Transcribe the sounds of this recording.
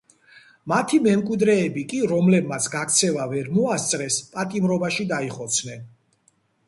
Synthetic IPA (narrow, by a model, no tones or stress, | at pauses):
mat̪ʰimɛmkʼwid̪ɾɛːbikʼiɾɔmlɛbmat̪sʰɡak̚ʰt̪sʰɛvavɛɾmɔast̪sʼɾɛspʼat̪ʼimɾɔbaʃid̪aiχɔt̪sʰnɛn